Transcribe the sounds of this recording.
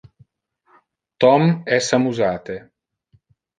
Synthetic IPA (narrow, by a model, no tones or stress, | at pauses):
t̪ɔmɛsamuzaːt̪e